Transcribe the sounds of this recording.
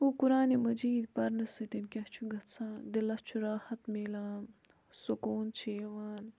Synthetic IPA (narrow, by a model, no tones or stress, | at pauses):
ukuɾaːnemɐd͡ʒiːd̪pɐɾnɐsɨt̪inkʲɐht͡ʃʰuɡɐt̪t͡sʰãːd̪elɐst͡ʃʰuɾaːhɐt̪meːlaːm | sukoːnt͡ʃʰeːʋaːn